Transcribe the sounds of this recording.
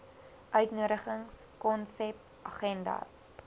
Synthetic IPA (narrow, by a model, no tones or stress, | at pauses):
ʔœɥtnuəɾəχəŋskɔnsɛp | ʔɐχɛndɐ̰s